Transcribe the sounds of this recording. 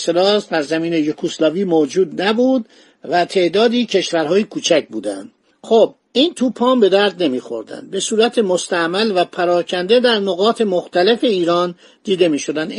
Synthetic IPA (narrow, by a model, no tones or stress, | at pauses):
selɒːsbæɾzæmiːnejokʰuslɒːviːmoːd͡ʒuːd̪næbuːd̪ | væt̪ʰe̞ʔd̪ɒːd̪iːcʰe̞ʃvæɾɦɒːjekʰuːt͡ʃʰæc̚buːd̪æ̰nd̪̥ | xob̚ | iːnt̪ʰuːpʰɒːmbe̞d̪æɾd̪ne̞miːxo̞̰ɾd̪æ̰nd̪̚be̞suːɾæt̪ʰemost̪æmælvæpʰæɾɒːcʰænd̪e̞d̪æɾnoɣɒːt̪ʰe̞mo̞xt̪æle̞fe̞iːɾɒːn | d̪̥iːd̪e̞miːʃo̞d̪ænd̪